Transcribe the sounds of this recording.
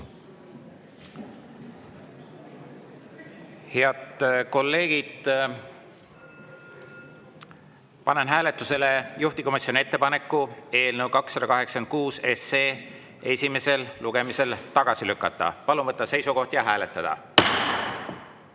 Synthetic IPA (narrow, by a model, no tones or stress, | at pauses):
heɑt̪ko̞lːe̞ːɡ̥id̪̥ | pɑnenɦæːlet̪ːˑuse̞lejuht̪iko̞misːjo̞niet̪ːe̞pɑne̞kːue̞ːlnəwkɑksːɑd̪̥ɑkɑɦe̞ksɑ̥ken̚kuːse̞seː | e̞sʲime̞se̞lluɡ̥e̞mise̞lt̪ɑɡ̥ɑsilykːˑɑt̪ːˑɑ̰pɑluvɤt̪ˑːɑse̞jsuko̞ht̪jɑɦæːle̞t̪ːˑɑd̪̥ɑ̰